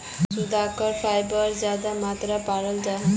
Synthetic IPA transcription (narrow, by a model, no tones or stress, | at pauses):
ʃud̪akaɾfajbɔɾd͡ʑad̪amat̪ɾapaɾəld͡ʑa